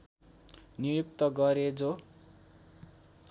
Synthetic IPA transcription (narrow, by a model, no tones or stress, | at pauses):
nijuk̚t̪ʌɡʌɾed͡zo